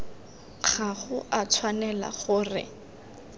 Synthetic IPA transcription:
k͡xʰaχʊʔat͡sʰwanɛla̰χʊːrɪ̰

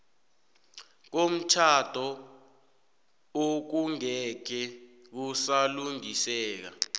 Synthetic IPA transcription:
k̬om̩t͡ʃʰad̥ʱɔ | ok̬uŋɛkɛk̬usaluŋisɛːk̬a̰

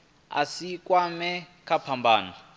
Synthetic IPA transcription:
a̰sikwamɛ | kʰapʰambʱaːna

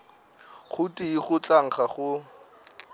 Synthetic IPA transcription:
χʊtiiχʊt͡ɬaŋ̩χaχʊ

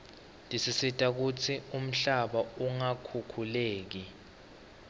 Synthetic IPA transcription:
ndʱisisitʼak̬ut͡sʰium̩ɬaɓauŋakʰukʰuleːk̬i

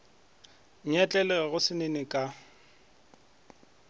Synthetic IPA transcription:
ɲ̩ɛt͡ɬʼɛlɛɣʊsɪnenɪkʼa

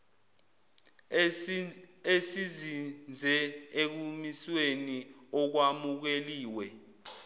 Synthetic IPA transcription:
esizind͡zʱɛek̬umisweniɔk̬wamuk̬eliːwɛ

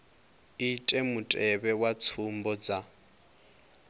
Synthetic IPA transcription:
itʼemutʼɛβɛwat͡sʰum̩bɔd͡za

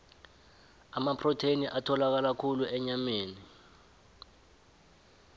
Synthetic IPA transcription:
amapʰrɔtʰeniʔatʰɔlak̬alakʰuluʔɛɲameːni

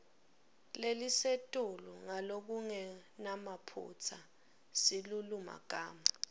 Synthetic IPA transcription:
lelisetʼuluŋalok̬uŋɛnamapʰṵt͡sʰa | siluluma̰k̬ʼa̰ːma

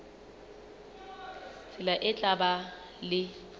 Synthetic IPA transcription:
t͡sʰʼɪlaʔɪt͡ɬʼaba | lɪ

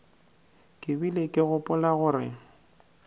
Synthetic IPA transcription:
kʼɪbilekʼɪɣʊpʼʊlaɣʊrɪ̰

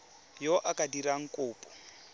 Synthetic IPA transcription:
jɔʔakʼadiɾaŋ̩kʼʊːpʼɔ̥

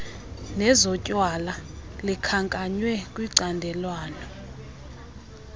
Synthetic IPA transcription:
nɛzɔcʼwala | likʰaŋkʼaɲwɛkʼwiǀandʱɛlwaːnɔ

